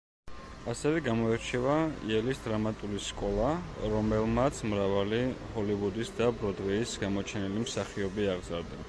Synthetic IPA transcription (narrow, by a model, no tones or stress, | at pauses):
asɛvɛɡamɔɛɾt͡ʃʰɛvaḭɛlisd̪ɾamat̪ʼuliskʼɔlˠaɾɔmɛlˠmat̪sʰmɾavalihɔlivud̪isd̪abɾɔd̪ʁɛːsɡamɔt͡ʃʰɛnilimsaχiɔbiaʁzaɾd̪a